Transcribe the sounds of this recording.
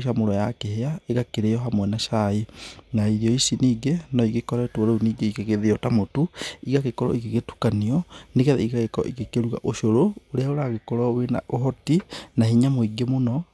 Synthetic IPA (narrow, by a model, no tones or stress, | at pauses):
ʃamoɾɔjakeheaeɣakeɾeɔɦamwɛnaʃaenaiɾiɔisiniːɡenɔiɡekɔɾatwɔɾauniːɡeikeɣeðeɔtamotuiɣaɣekɔɾɔ̰iɣeɣetu̥kaniɔneɣɛðɛ̰iɣaɣekɔɔ̰ʔiɣekeɾua̰ʔoʃoɾooɾeaoɾaɣekɔɾɔwena̰ʔoɦɔtinahiɲamoiɡemonɔ